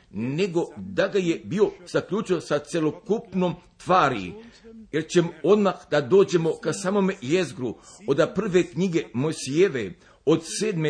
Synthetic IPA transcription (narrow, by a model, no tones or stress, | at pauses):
ne̞ɡo̞d̪aɡaje̞bio̞z̥akʎut͡ʃiosat̪sʲje̞lo̞kupno̞ːmt̪ʋaːɾije̞ɾt͡ɕe̞moo̞d̪maxd̪ad̪o̞ːd͡ʑe̞mo̞kasaːmo̞mejezɡɾu | od̪apr̩ʋe̞kɲiɡe̞mosijeʋe | od̪seːd̪me